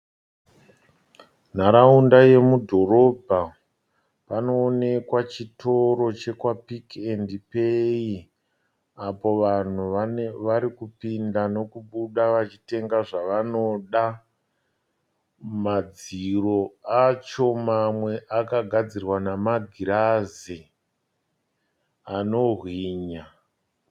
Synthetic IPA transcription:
n̤aɾaundaje̞mudʱo̞ɾo̞bʱa | pano̞ːne̞kwat͡ʃitʰo̞ɾo̞t͡ʃe̞kwapikendipei | apo̞ʋan̤uʋaɾikupindano̞kuɓuɗaʋat͡ʃite̞ŋɡaʐaʋano̞ɗa | mad͡ziro̞at͡ʃo̞mamwe̞ʔakaɡʱad͡zirwanamaɡʱiɾazi | ano̞rwiːɲa

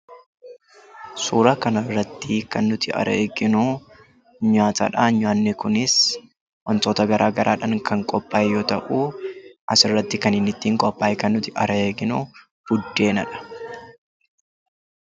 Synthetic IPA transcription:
suːɾɐkɐnɐrːɐt̪ːɪkɐnːʊt̪ɪɐ̰ɾʔɐeːɡɪnu | ɲaːt̪ɐ̰ᶑaɲʊaːnːɛkʊnɪs | wɐnt̪oːt̪ɐɡɐɾʔaːɡɐɾʔaːᶑɐŋkʰɐŋkʼɔpʼːaːjjːoːt̪ɐʔuːʔɐsɪrːɐt̪ːɪkɐnɪnːɪt̪ːiːŋkʼɔpːaːjkɐnːʊt̪ɪʔɐ̰ɾɐeːɡɪnu | b̥ʊd̪ːeːnɐ̰ᶑɐ̥

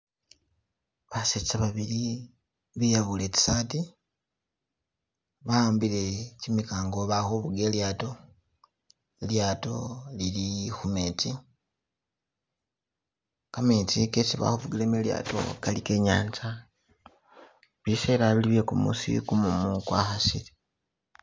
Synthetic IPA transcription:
βaset͡saβaβiɾi | βijaβule̞ci̥saːti | βaaːmbile̞cimikaːŋɡoβaxoβuɡe̞ːljaːto̞ | eljaːto̞lilixumeti | kametikesiβa̰huβuɡilemelja̰ːto̞̰kalike̞ɲaːɲd͡ʒa | βiseːɾaβiliβekumṵsḭkumumukwa̰xasiɾi

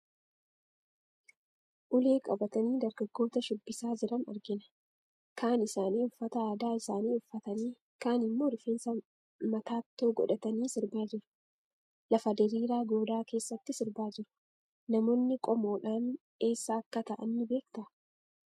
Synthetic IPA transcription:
ʔʊle̞ːkʼɐbɐt̪ɐniːd̪ɐɾɡɐɡːo̞ːt̪ɐʃʊbːɪsaːd͡ʒɪɾɐnɐ̰ɾɡɪnɐ̥ | kaːnɪsaːniːʊfːɐt̪ɐaːd̪aːɪsaːniːʊfːɐt̪ɐniː | kaːnɪmːo̞ːɾfeːnsɐ | mɐt̪aːt̪ːo̞ːɡɔ̰ᶑɐt̪ɐniːsɪɾbaːd͡ʒɪɾʊ̥ | lɐfɐd̪ɛɾiːɾaːɡo̞ːd̪aːke̞ːsːɐt̪ːɪsɪɾbaːd͡ʒɪɾʊ̥ | nɐmo̞ːnːɪkʼɔmo̞ːᶑaːn | e̞ːsːaːkːɐt̪ɐʔɐnːɪbe̞ːk̚t̪ɐ

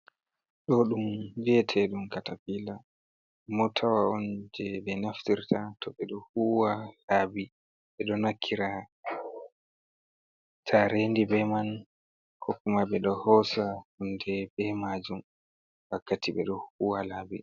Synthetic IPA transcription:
ɗɔɗumviɛtʰɛɗumkatapila | mɔtʰawaɔnd͡ʒɛbɛnaftiɾtʰatʰɔɓɛɗɔhuwalaːbi | ɓɛɗɔnakʰːiɾa | tʰaɾeːndibɛman | hʰokːumaɓɛɗɔhɔsahundɛbɛmad͡ʒum | wakːatiɓɛ̰ɗɔhuːwalaːbi

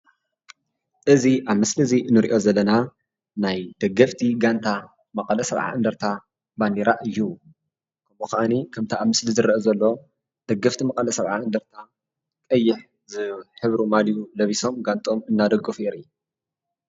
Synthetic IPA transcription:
ʔɨziʔaβmɨslizinɨɾḭʔo̞zɐlːɐna | najd̪̥ɐɡɐft̪ʰiɡant̪ʰa | mɐkʼɐlɐsɐβʕa̰ɨnd̪ɐɾt̪ʰa | baniɾaʔɨjːu | kʰɐmɨxʔanikʰɐmt̪ʰaʔaβmɨslizɨrɐʔɐzɐlːo̞ | d̪̥ɐɡɐft̪ʰimɐkʼɐlɐsɐβʕa̰ɨnd̪ɐɾt̪ʰa | kʼɐjːɪħ | zɨħɨβɾumalijulɐβiso̞mɡant̪ʼo̞mɨnːad̪ɐɡːɨfeɾɨjːu

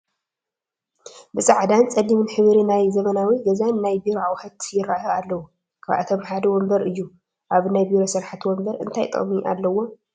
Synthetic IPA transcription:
bɨsʼaʕd̪ant͡sʼɐlːimɨnħɨβɾinajzɐmɐnawiɡɐzanːajbiɾoawħɐt̪jɪɾaʔoalːɐwu | kʰaβʔa̰t̪ʰomħad̪ɐwɔmbɐɾɨjːu | ʔaβnajbiɾosɨɾħat̪wɔmbɐɾɨ̰nt̪ʰajt̪ʼɐ̰χʼmiʔa̰lːɐwːo̞

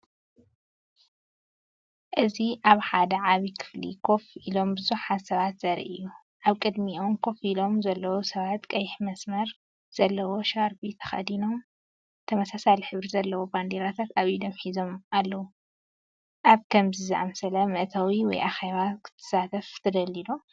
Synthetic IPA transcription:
ʔɨziʔaβħad̪ɐʕaβikʰɨ̥flḭkʰo̞fʔilo̞mbɨzuħat̪sɐβat̪z̥ɐɾḭʔɨ̰jːu | ʔaβkʼɨd̪miʔo̞mkʰo̞filo̞mzɐlːɐwosɐβat̪kʼɐjħmɐsmɐɾ | z̥ɐlːɐwo̞ʃaɾbit̪ʰɐ̥xɐ̰d̪ino̞m | t̪ʰɐmɐsasaliħɨβɾizɐlːɐwoband̪eɾat̪ʰat̪aβjid̪ɐmħizo̞mʔalːɐwu | ʔaβkʰɐmzizɨʔa̰msɐlɐmɨʔt̪ʰawiwɔ̰jʔaxeβakʰɨ̥t̪ʰɨ̥sat̪ʰɐft̪ʰɐd̪ɐlːilo

